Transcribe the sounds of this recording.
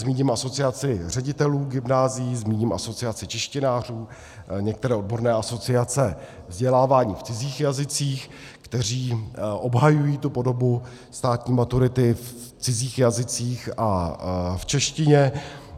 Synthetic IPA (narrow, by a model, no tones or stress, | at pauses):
zmiːɲɪmʔaso̞t͡sɪat͡sɪr̝ɛɟɪt̪ɛluːɡɪmnaːzɪjizmiːɲɪmʔa̰so̞t͡sɪat͡sɪt͡ʃɛʃcɪnaːr̝uː | ɲɛk̚t̪ɛɾɛːʔod̚bo̞ɾnɛːʔaso̞t͡sɪat͡sɛ | vzɟɛlaːvaːɲiːft͡sɪziːxjazɪt͡siːx | kt̪ɛr̝iːʔobɦajujiːt̪upo̞do̞bu | st̪aːt̪ɲiːmat̪uɾɪt̪ɪf | t͡sɪziːxjazɪt͡siːxʔaft͡ʃɛʃcɪɲɛ